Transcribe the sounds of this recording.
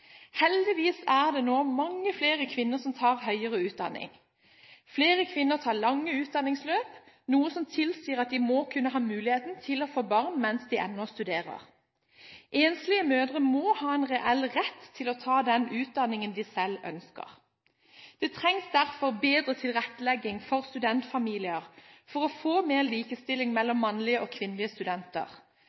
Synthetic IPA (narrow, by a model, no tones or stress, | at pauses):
hɛld̪ɪʋiːsæʁd̪ɛːnoːmɑŋːəfleːʁəkʰʋɪnːəʁsɔmt̪ʰɑːʁhœʏəʁəʉːt̪̚d̪ɑ̰nːɪ̰ŋ | fleːʁəkʰʋɪnːəʁt̪ʰɑːʁɭɑŋːəʉːt̪̚d̪ɑnːɪŋsløːp | nuːəsɔmt̪ʰɪlsiːəʁɑt̪̚d̪ɪmɔkʰʉnːəɦɑːmʉːlɪheːt̪n̩t̪ʰɪloːfoːbɑʁnmɛnsd̪ɪʔɛ̰nːɔst̪ʉd̪eːʁə̰ʁ | ʔeːnslɪəmøːd̪ʁəmɔhɑːɛnʁɛʔɛlʁɛt̪ʰːɪlɔt̪ʰɑːd̪ɛnʉːt̪̚d̪ɑnːɪŋənd̪ɪsɛlœ̰nskə̰ʁ | d̪̥ɛt̪ʰʁɛŋsd̪æʁfɔʁbeːd̪ʁət̪ʰɪlʁɛt̪ːəlɛɡːɪŋfɔʁst̪ʉd̪ɛnt̪fɑmiːlɪəʁfɔʁɔfoːmeːʁliːkəst̪ɪlɪŋmɛlːɔmːɑnlɪəʔoːkʰʋɪnlɪəst̪ʉd̪ɛnt̪ə̰ʁ